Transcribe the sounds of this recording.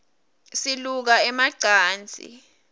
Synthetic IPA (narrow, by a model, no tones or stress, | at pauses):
siluk̬aɛmaǀʱaːnd͡zʱʼḭ